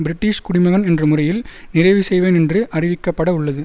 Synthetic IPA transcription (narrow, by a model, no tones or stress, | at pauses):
bɪɾɪʈːiːʂkʊɽɪmɐɣɐnɛndrɯmʊrɐjɪlnɪrɐɪʋisɛjʋeːnɛndrɯʔɐrɪʋɪkːɐpːɐɽɐʊɭːɐðɯ